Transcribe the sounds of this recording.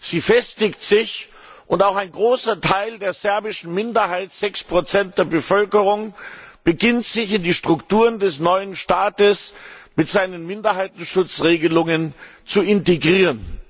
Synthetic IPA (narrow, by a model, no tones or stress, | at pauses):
z̥iːfɛstɪktz̥ɪç | ʔʊntaʊxaɪnɡʁoːsɐtʰaɪldeːɐzɛɐbɪʃn̩mɪndɐɦaɪtz̥ɛkspʁ̥ot͡sɛnt̚d̥eːɐbəfœlkəʁ̞ʊŋb̥əɡɪntz̥ɪçɪndiːʃtʁ̥ʊktuːʁəndɛsnɔʏənʃtaːtəsmɪtz̥aɪnənmɪndɐɦaɪtn̩ʃʊt͡sʁeːɡəlʊŋənt͡suɪnteɡʁiːʁən